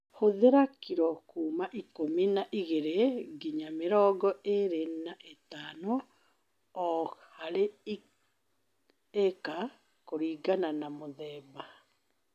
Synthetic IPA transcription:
hoðeɾakiɾɔkumaʔikominaʔiɣeɾeɡiɲameɾɔːɡɔeɾenaʔetaːno | ɔhaɾe | eka | koɾiːɡananamoðɛːba

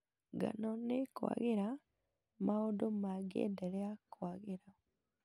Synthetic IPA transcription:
ɡa̰nonekwa̰ɣeɾa | maodomaɡḛːndeɾeakwaɣeɾa

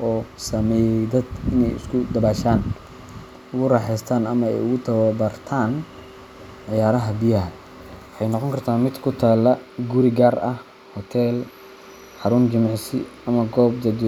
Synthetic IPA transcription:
ʔɔːsɐmɛːjɛd̪ɐd̪ɪnɛ̰jɪ̰skʰʊd̪ɐbaːʃaːn | ʊɣʊrɑħɛjst̪ʰaːnɐmɐɛ̰jʊɣʊt̪ʰɐwɐbɐrt̪ʰaːn | ʕɪjaːɾɐɦɐbɪjɐɦɐ | wɑħɑjnɔqɔŋkʰɐrt̪ʰaːnmɪd̪kʰʊt̪ʰaːlɐɡʊɾɪɡaːrɐh | hɔt̪ʰɛːl | ħɑɾʊnd͡ʒɪmɑʕsɪ̰ɐmɐɡɔːb̚d̪ɐd̪

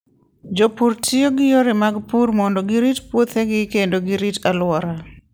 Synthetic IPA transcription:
d͡ʒopuɾtʰioɡɪjoɾɪmaɡpurmɔndɔɡɪɾitpwot̪hɛɡɪkendoɡɪɾitalwɔɾa

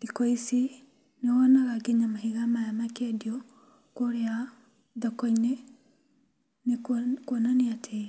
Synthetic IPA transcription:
dikɔisi | newɔnaɣaɡeɲamahiɣamaamakediɔ | koɾea | ðɔkɔine | nekwɔnaneatʰe

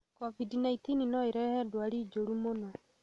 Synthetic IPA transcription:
kɔvidinaitininɔeɾɛhɛdwaɾiːd͡ʒoɾumonɔ

